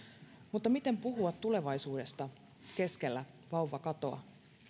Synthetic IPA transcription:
mut̪ːɑmit̪e̞mpuɦuɑt̪tːule̞ʋɑjsuːde̞st̪ɑ | ke̞ske̞lːæ | ʋɑuʋɑkɑt̪o̞ɑ̰

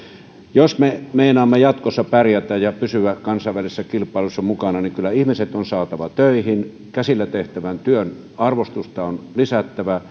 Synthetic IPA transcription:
josmemeˑinɑːmːejɑt̪kosːɑpærjæt̪æjjɑpysyʋækɑnsɑˑʋælisesːækilpˑɑˑelusːɑmukɑnɑniŋkylːˑæihmiset̪onsɑːt̪ɑʋɑt̪øˑihin | kæsilːæt̪eht̪æʋænt̪yøn | ɑrʋost̪ust̪ɑonlisæt̪ːæʋæ

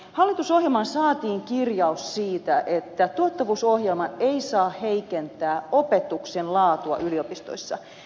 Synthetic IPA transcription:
hɑlːit̪usohjelmɑnsɑːt̪iːŋkirjɑussiːt̪æʔet̪ːæt̪uɑt̪ːɑʋuːsohjelmɑeisɑːheikent̪æːo̞pet̪uksenlɑːt̪uɑ̰ʔyliopist̪o̰isːɑ̰

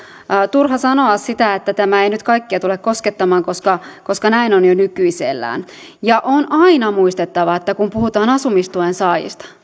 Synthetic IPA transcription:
t̪urɦɑsɑnoɑssit̪æet̪ːæt̪æmæeinyt̪kɑikːiɑt̪ulekkosket̪ːɑmɑːŋkoskɑkoskɑnæinonjonykyisḛlːæ̰ːn | jɑʔonɑinɑmuist̪et̪ːɑʋɑet̪ːækumpuhut̪ɑːnɑsumist̪uensɑːjḭst̪ɑ̥

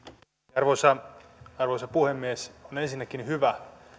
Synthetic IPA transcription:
ɑrʋosɑɑrʋosɑpuhemːiesonensinːækːinhyʋæ

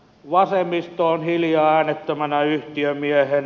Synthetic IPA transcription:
ʋɑsemist̪oonhiljɑːæːnet̪ːømænæyht̪iømiehen

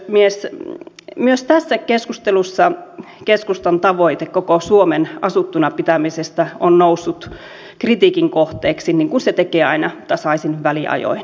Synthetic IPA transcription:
mies | myøst̪æsːækeskust̪elusːɑ | keskust̪ɑnt̪ɑʋoit̪ekokosuomenɑsut̪ːunɑpit̪æmisest̪æonnousːut̪ | krit̪iːkiŋkoht̪eːksiniŋkunset̪ekeːɑinɑt̪ːɑsɑisinʋæliʔɑ̰jo̰in

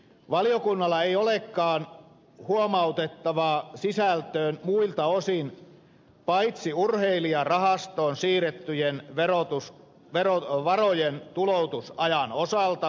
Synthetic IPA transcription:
ʋɑlijokunːɑlːɑeiolekːɑːn | huomɑut̪et̪ːɑʋɑːsisælt̪øːnmuilt̪ɑosin | pɑit̪siurheiliɑrɑɦɑst̪oːnsiːret̪ːyjenʋerot̪us | ʋeroʋɑrojent̪ulout̪usɑjɑnosɑlt̪ɑ

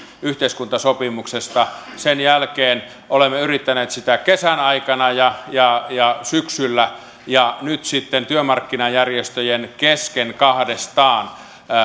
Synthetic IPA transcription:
yht̪eiskunt̪ɑsopimuksest̪ɑsenjælkeːn | ʔolemːeyrit̪ːæneːt̪sit̪ækesænɑikɑnɑjɑjɑjɑsyksylːæ | jɑnyt̪sit̪ːent̪yømɑrkːinɑjjærjest̪øjenkeskenkɑhdest̪ɑːn

